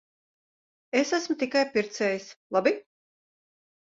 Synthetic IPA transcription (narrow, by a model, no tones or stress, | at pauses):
esæsmʊt̪ikajpiɾt̪sɛːjislˠabi